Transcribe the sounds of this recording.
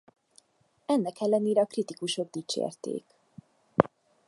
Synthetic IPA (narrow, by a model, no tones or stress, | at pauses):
ɛnːɛkɛlːɛneːɾɛɒkrit̪ikuʃo̞ɡ̚d̪it͡ʃḛːrt̪ḛːk